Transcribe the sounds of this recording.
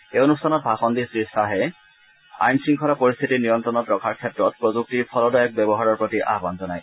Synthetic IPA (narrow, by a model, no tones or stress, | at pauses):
eonustʰanɔt̚bʱaxɔndisɹistʰaɦɛ | a̰jnsɹiŋkʰɔɹapɔɹist̪ʰitinijɔntɹɔnɔtɹɔkʰaɹkʰɛtɹɔt̚pɹozuk̚tiɹpʰɔlɔdɔjɔk̚bɛbɔɦaɹɔɹpɹotiʔa̰ɦbanzɔnaj